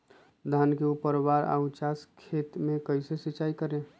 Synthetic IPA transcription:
d̪ʱankeupəɾwaɾa̰ʊt͡ʃaskʰeːt̪mẽkəɪsesit͡ʃaːikəɾẽ

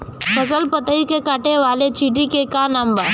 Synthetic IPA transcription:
pəsəlpət̪əikekaʈeʋalet͡ɕiʈikekanamba

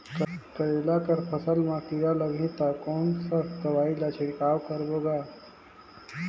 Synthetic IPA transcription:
kkəɾelakəɾpʰəsəlmãkiɾaləɡʱĩt̪akɔːnsast̪əʋaːilat͡ʃʰeɽkaːwkəɾboɡaː

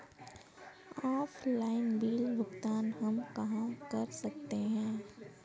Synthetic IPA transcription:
aːfʰlaːɪnbiːlbʊkt̪aːnɦɐmkɐɦãkɐɾsɐk̚t̪eɦɛ̃ː

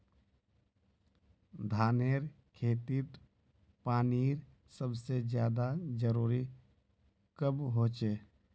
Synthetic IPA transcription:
d̪ʱaːneːɾ | kʰeːt̪it̪ | paːniːɾ | səbsed͡ʒjaːd̪ad͡ʒəɾuːɾi | kəbɦoːt͡ʃeː

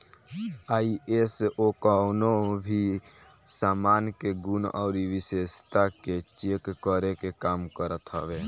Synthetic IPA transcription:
aːiesokɔnobʱi | saːmaːnkeɡunɔ̰ːɾiʋɪseːst̪aket͡ʃeːkːəɾekekaːmkəɾət̪ɦɔʋeː

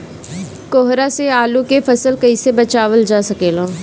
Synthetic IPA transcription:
koːɦɾaseaːlũkefʰɐsəlkəisebət͡ʃaːʋəld͡ʒaːsəkeːlõː

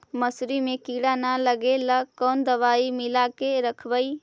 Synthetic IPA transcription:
məsɾimẽkiːɽanaləɡeləkɔːnd̪əʋaːimɪlakeɾəkʰʋəi

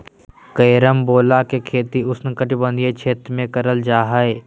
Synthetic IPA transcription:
kəjɾəmboːlakekʰeːt̪iʊsnekəʈbə̃nd̪et͡ʃʰeːt̪ɾmẽkəɾəld͡ʒaːɦəe

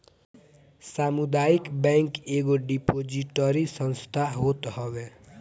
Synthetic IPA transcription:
saːmud̪aːikbɛ̃ŋkeɡoɖipod͡ʒiʈəɾisə̃nst̪ʰaɦoːt̪ɦɔwe

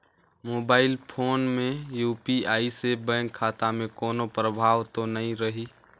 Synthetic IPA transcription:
moːbaːɪlpʰoːnmẽjuːpiaːisebə̃ŋɡkʰːaːt̪amẽkoːnopɾəbʱaːʋt̪onəɦĩɾəɦiː

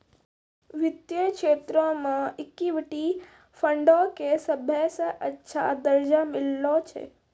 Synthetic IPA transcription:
ʋɪt̪jəkʃeːt̪ɾõmə̃ɪkːiʋɪʈi | fʰəɳɖokesəbʱjəsəʔətːʃʰa̰d̪əɾd͡ʒamɪlːot͡ʃʰḛ

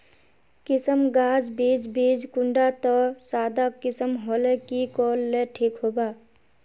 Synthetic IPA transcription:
kɪsəmɡaːd͡ʒbiːd͡ʒbiːd͡ʒkʊ̃ɳɖat̪ɔsaːd̪akɪsəmɦoːlekikɔːlːeʈʰiːkɦoːbaː

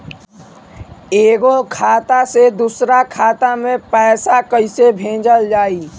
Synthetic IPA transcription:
eːɡokʰaːt̪ased̪uːsɾakʰaːt̪amẽpɛːsakəɪsebʱẽːd͡ʒəld͡ʒaːiː

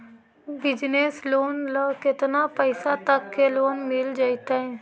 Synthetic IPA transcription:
bɪd͡ʒnesloːnləkɪt̪naːpəɪsat̪əkːeloːnmɪld͡ʒaːit̪aɦɛː

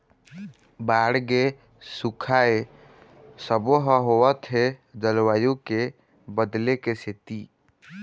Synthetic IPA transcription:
baːɽɡe | sukʰae | səboɦəɦowət̪ɦed͡ʒəlwaːjõke | bəd̪lekeset̪i

